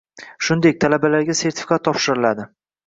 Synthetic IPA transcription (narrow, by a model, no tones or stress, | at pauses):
ʃʊnd̪ek̚ʲt̪ʰalabalaɾɡʲase̞ɾt̪ʰɪ̥fʲi̥kʰat̪ʰːɒpʃɪɾɪlad̪ɪ